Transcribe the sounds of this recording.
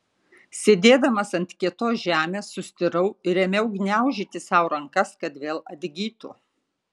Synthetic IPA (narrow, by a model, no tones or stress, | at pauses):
sʲeːd̪ʲeːd̪ɐmɐsɐnʲt̪ʲkʲiɛt̪oːsʒʲæːmʲeːsːʊsʲt̪ʲɪɾɐʊɪɾʲɛmʲɛʊɡnʲæˑʊʒʲiːt̪ʲɪsɑːˑʊɾɐŋkɐskɐt̪ʋʲeːlˠɐd̪ʲɡʲiːt̪ʊ̰